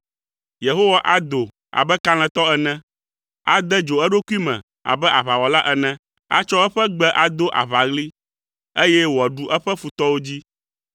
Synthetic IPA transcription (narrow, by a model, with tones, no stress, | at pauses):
je˨ɦo˦wa˨ʔa˦d̪o˨ | a̰˨bɛ˦ka˦l̃ɛ̃˨t̪ɔ˦ɛ˨nɛ̃˦ | a̰˦d̪ɛ˦d͡ʒo˨ɛ˦ɖo˦ku˦i˦mɛ̰̃˨ | a̰˨bɛ˦ʔa˨βa˨wɔ˨la˦ʔɛ˨nɛ̃˦ | a̰˦t͡ʃɔ˦ɛ˦ɸɛ˦ɡ͡bɛ˦ʔa˨d̪o˦ʔa̰˨βa˨ɣli˦ | e˦jɛ˦wɔ˨ɖu˦ʔɛ˦ɸɛ˦fu˨t̪ɔ˦wo˦d͡ʑi˦